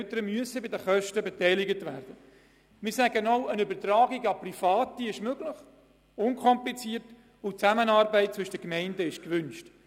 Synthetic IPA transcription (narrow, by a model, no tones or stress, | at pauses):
ɛtəɾəmyəsəbɪdəχœʃtəbetɛɪlɪɡətʋæːɾd̥ə | mɪːɾsæɡənoʊʔənʏbəɾtrɑːɡiɡɑprifɑːtːiɪʃmøɡlɪχ | ʊnkʰɔmplit͡siːərt | ʊt͡sæmənɑːrbɛɪt̚t͡sʋʏʃəd̥əkmɛɪndəɪʃkʋʏnʃt